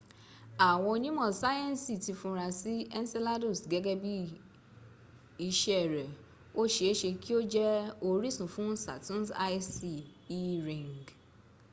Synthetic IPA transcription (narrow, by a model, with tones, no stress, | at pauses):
a˨w̃ɔ̃˧o˧nĩ˦mɔ̃˦˨sa˦jɛ̃˦n˨si˨ti˧fũ˧ɾ̃ã˧si˦ɛ˦n˦se˦la˦do˦˨sɡɛ˦ɡɛ˦bi˦ | i˨˧ʃɛ˦ɛ˦˨ɾɛ˨ | o˦ʃe˧˨˦ʃe˧ki˦o˦d͡ʒɛ˦o˧ɾi˦sũ˨fũ˦sa̰˨tũ˦sa˧i˦si˨i˦ɾĩ˨ŋɡ